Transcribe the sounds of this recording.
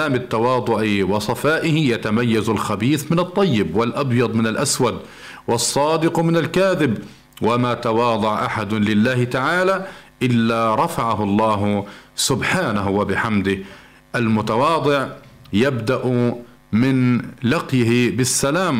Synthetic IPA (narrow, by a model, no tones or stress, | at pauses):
aːmɪt̪ːɑwɑːd̪ˤʊʕiwɑsˤɑfaːʔɪhɪjat̪amajːazalxabiːθmɪnɨt̪ˤːɑjːɪbwɪlʔɑbjɑd̪ˤmɪnalʔaswad̪ | wɑsˤːɑːd̪ɪqmɪnalkaːðɪb | wamat̪awɑːd̪ˤɑʕʔaħad̪lɪlːaːhɪt̪aʕaːlaʔɪlːaːɾˤɑfaʕaɦʊlˤːɑːɦsʊbħaːnaɦwabɪħamd̪ɪh | ʔalmʊt̪awɑːd̪ˤɨʕ | jabd̪aʔ | mɪnlɑqjɪɦɪbɪsːalaːm